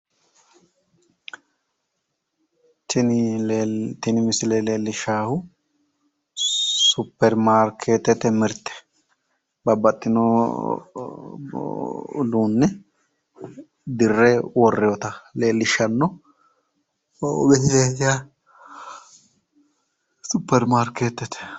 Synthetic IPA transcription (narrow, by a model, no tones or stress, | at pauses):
t̪ʰɪn | t̪ɪnɪmɪsɪlele̞ːlːɪʃaːhʊ | sʊpːɛɾmaːɾkʰeːt̪ɛt̪ɛmɪɾt̪ːɛ̥ | bɐbːɐt̪ʼːɪnɔ | luːnːɛ | d̪ɪrːɛwɔrːɪjɔt̪ɐle̞ːlːɪʃːɐnːɔ | ɔbɛt̪ɪt̪et̪ɪja | sʊpːɛɾmaːɾkeːt̪ːɛt̪ʰɛ̥